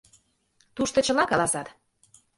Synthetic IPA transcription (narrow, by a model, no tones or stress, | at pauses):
t̪uʃt̪ɤ̆t͡ɕɤ̆lɑkɑlɑsɑt̪